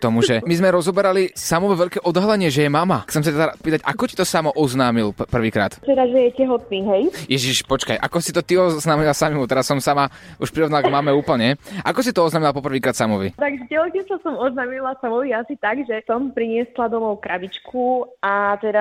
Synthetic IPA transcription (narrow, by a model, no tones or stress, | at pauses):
kt̪ɔmuʒɛmizmɛɾɔzɔbɛɾalisamɔʋɛʋɛʎkɛːʔɔd̪ɦalɛɲɪɛʒɛjɛmamaxkt͡sɛms̬at̪ɛd̪apiːt̪aca̰kɔci̥t̪ɔsamɔʔɔznaːmilpr̩ʋiːkɾa̰ːt̪t̪ɛd̪aʒɛjɛcɛɦɔt̪̚niːɦɛjjɛʒiʃpɔt͡ʃka̰jʔa̰kɔsit̪ɔt̪iɔznaːmilasamimut̪ɛɾasːɔmsamauʃpɾiɾɔʋnalaɡmamɛuːpl̩ɲɛʔakɔsit̪ɔɔznaːmilapɔpr̩ʋiːkɾaːt̪samɔʋḭt̪aɡʒɛtɛɔkɛsasɔmɔznaːmilasamɔʋiasit̪aɡʒɛsɔmpɾiɲɪɛslad̪ɔmɔʊkɾabit͡ʃkʰuat̪ɛd̪a